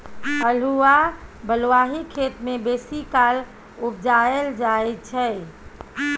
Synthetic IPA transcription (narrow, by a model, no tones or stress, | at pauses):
əl̤uabəlʋaɦikʰet̪mebesikal | ubd͡ʒaeld͡ʒaɛt̪̚t͡ʃʰɛ